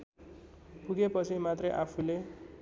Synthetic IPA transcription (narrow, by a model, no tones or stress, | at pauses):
puɡepʌt͡sʰimat̪rʌjʔapʰule